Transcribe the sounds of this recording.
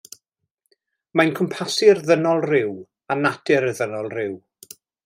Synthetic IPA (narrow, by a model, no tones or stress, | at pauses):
majnkʰəmpʰasɪrðənɔlˠrɪw | anad̥ɪɾəðənɔlˠrɪw